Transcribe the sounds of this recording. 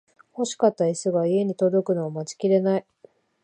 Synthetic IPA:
ho̞ɕi̥kat̪ːaisɨɡaie̞ɲ̟it̪o̞d̪o̞kɯ̟no̞ːmat͡ɕi̥kʲiɾe̞nai

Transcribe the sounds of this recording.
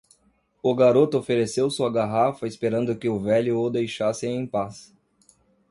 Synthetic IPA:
ʊɡaɾot̪ʊofeɾesewsuɐɡaɦafɐɪspeɾɐ̃nd̪ʊkɪʊvɛljʊod̪ejʃasẽẽj̃pas

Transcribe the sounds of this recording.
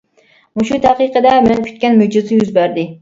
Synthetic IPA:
muʃut̪ʰæqɨqəd̪ɛmɛnkʲʰy̥t̪̚kʲɛnmyd͡ʒɪzɪjyzbæɾd̪ɪ

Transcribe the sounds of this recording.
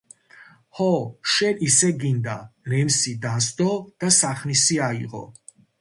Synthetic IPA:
hɔʃɛnisɛɡind̪aɾɛmsid̪asd̪ɔd̪̥asaχnisiaiʁɔ̰

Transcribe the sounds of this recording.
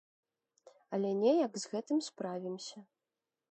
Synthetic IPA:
ɐlʲɛnʲɛjɐɡzɣɛt̪ɨmspɾavʲimsʲɐ

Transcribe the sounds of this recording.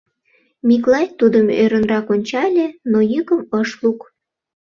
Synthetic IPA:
mʲiklɑj̚ʲt̪ud̪əmø̰ɾənrɑkonʲt͡ɕɑlʲenojəkəməʃluk

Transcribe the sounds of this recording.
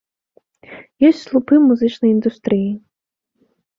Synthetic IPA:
jɔsʲtʲslˠupɨmuzɨt͡ʂnɐjind̪ust̪ɾɨji

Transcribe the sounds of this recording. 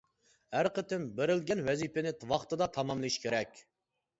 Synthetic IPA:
æɾqʰət̪ʰɪmbeɾɪlɡʲɛnwɛzipɪnɪt̪wɑχt̪ɨd̪ɑt̪ʰɑmɑmlˠɨʃkʲʰeɾɛkʲ

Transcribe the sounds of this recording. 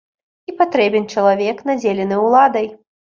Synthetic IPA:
ipat̪ɾɛbʲɛnʲt͡ʂɐlˠavʲɛknad͡zʲelʲɛnɨwlˠad̪ɐj

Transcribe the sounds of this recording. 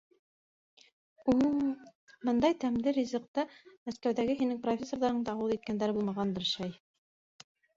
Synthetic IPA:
u | mɤnd̪ɑjt̪æmlɘɾʲizɤ̆q̚t̪ɑmæskæwðæɡɘɦinɘŋprofʲesːo̞ɾðɑɾɤ̆ɴd̪ɑɑwɤðˠit̪̚kænd̪æɾɘbulˠmɑʁɑnd̪ɤɾʃɑj

